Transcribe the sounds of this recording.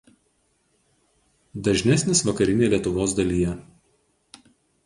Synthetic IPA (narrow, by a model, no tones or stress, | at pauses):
d̪ɐʒʲnʲɛsʲnʲɪsʋɐkɐɾʲɪnʲeːlʲiɛt̪ʊʋoːs̬d̪ɐlʲijɛ